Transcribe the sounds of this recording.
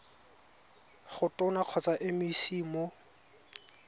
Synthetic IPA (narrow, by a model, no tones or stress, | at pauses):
χʊtʼʊnaq͡χʰɔt͡saʔɪmisiːmo